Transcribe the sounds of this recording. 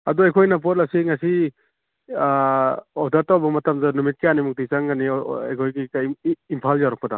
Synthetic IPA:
ɐduajkʰojnap̬ot̚lasiŋasi | ɔdatawbɐmɐtamzanumit̚kijanimuk̚tijsaŋɡania̰jkʰojɡiːmpʰaljawɾak̚pɐda

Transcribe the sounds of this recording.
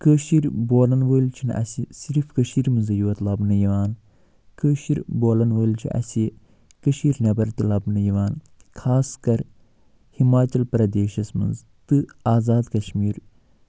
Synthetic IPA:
kəːʃiɾboːlɐnʋəːlt͡ʃʰinʔɐ̰sisiɾfkɐʃiːɾmɨnzɐjuʋɐt̪lɐbnɐjiʋaːn | kəːʃiɾboːlɐnʋəːlt͡ʃʰḭʔɐ̰si | kəʃiːɾnʲɐbɐɾt̪ilɐbnɨjiʋaːn | kʰaːskɐɾ | himaːt͡ʃɐlpɾɐd̪eːʃɐsmɨ̰nz | t̪ɨaːzaːd̪kɐʃmiːɾ

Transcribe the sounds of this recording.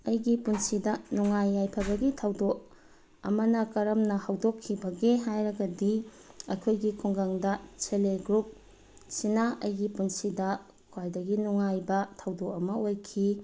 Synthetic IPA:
ɐjɡipunsidɐnuŋajːajpʰɐbɐɡitʰɐwdok̚ | ɐ̰mɐnɐkɐɾɐmnɐhɐwdokʰːibɐɡeɦajɾɐɡɐdi | ɐ̰kʰojɡikʰuŋɡaŋdɐt͡ʃeleɡɾup̚ | sinaɐjɡipunsidɐ | kʰwajdɐɡinuŋajbɐtʰɐwdokɐmɐojkʰi

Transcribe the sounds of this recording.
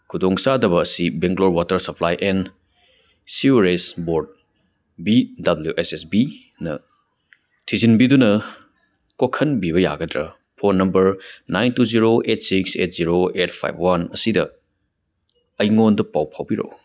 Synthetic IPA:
kʰudoŋsadɐβɐːsibeŋɡloɾwatɐɾsɐpʰlajʔen | siɾesboɾd̚ | bidɐbljuʔesesbi | nɐ̰ | tʰizinbidunɐ | kokʰɐnbiβɐja̰ɡɐdɾɐ̰ | pʰonːɐmbɐɾnajntuziɾoʔet̚ʰsiksḛt̚ziɾoet̚ʰpʰa̰jpʰwanɐsidɐ | ɐjŋondɐpawpʰawbiɾo̰w

